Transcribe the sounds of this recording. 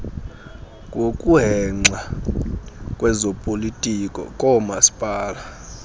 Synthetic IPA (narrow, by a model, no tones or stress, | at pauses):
kʼokʼuɦɛŋ͡ǀʱwa | kʼwɛzɔpʼolitʼikʼɔ̰kʼɔmasi̥pʼaːla